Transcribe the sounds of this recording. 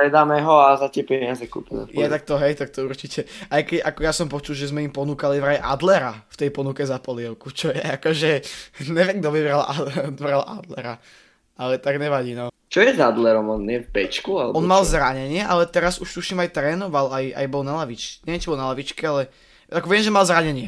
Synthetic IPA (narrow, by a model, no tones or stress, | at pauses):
pɾɛd̪aːmɛɦɔazat̪ɪɛpɛɲɪazɛkṵːpumɛ̰jɛt̪ak̚t̪ɔɦɛjt̪ak̚t̪ɔuɾt͡ʃicɛajkɛcakɔjasɔmpɔt͡ʃ̪ulʒɛzmɛimpɔnuːkalivɾajɛʔa̰d̪lɛɾaft̪ɛjpɔnukɛzapɔlɪɛʊkut͡ʃɔjɛakɔʒɛɲɛʋɪɛmɡ̚d̪ɔʋibɾalʔad̪bɾalʔa̰d̪lɛ̰ɾa | alɛt̪aɡɲɛʋaɟiːnɔ | t͡ʃɔjɛzad̪lɛɾɔmɔnɲɛvbɛt͡ʃkualɛ̰bɔnmalzɾaɲɛɲɪɛʔalɛt̪ɛɾazuʃt̪uʃimajt̪ɾɛːnɔʋalaja̰jbɔlnalaʋit͡ʃɲɛʋɛnt͡ʃibɔlnalaʋit͡ʃkɛalɛ | akɔʋɛmʒɛmalzɾaɲɛɲɪɛ